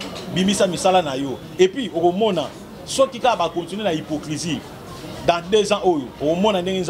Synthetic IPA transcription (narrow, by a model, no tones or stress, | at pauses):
bimisamisalanajɔ | epɥiokomɔna | sɔkikakabakotinwenaipoklizi | dãdezãʔojookomɔnandeŋɡenz